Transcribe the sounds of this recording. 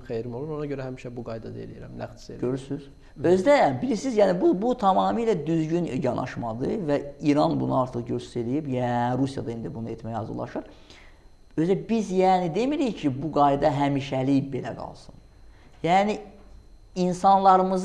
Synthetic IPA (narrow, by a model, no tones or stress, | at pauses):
xejɾmo̞lˠuɾonɑɟøɾæhæmiʃæbuɡɑjd̪ɑd̪ḛlijḭɾæ̰mnæ̰xt̪seøɾysyz̥ | ø̞zd̪æbilisizjæːnibubut̪ʰɑmɑːmɯlæd̪yzɟynjɑnʔɑ̰ʃmɑd̪ɯvæiɾɑnbṵnɯɑɾt̪ʰɯχɟøzselijibjæɾusjɑ̰d̪ɑind̪ibunɯet̪ʰmæjɑ̰zɯ̰lˠɑ̰ʃɯɾ | øzd̪æbizjæːnid̪e̞miɾijcʰibuɡɑjd̪ɑɦæmiːʃælibe̞læɡɑ̰lˠsɯn | jæːni | insɑnlˠɑɾɯmɯz